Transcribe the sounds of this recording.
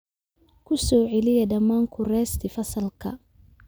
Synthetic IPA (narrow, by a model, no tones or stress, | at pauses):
kʰʊsɔːʕɛlɪjɐdɐmːaːŋkʰʊrɛːst̪ʰɪfɐsɐlkʰɐ̰